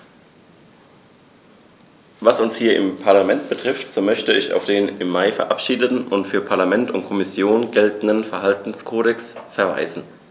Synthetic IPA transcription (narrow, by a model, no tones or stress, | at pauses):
vasʊnshiːɐʔɪ̰mpʰaɐlamɛnt̚b̥ətʁ̥ɪftz̥oːmœçtəɪça̰ʊfd̥eːnɪmːaɪfɛɐʔapʃiːdətn̩ʔʊntfyːɐpʰaɐlamɛntʊntkʰɔmɪsjoːnɡɛltn̩dən̩fɛɐɦaltn̩skʰoːɾɛksfɛɐva̰ɪzn̩